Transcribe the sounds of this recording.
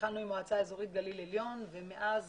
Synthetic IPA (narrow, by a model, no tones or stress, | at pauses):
anuimoat͡saezo̞ʁit̪̚ɡalileljo̞nvemeʔaz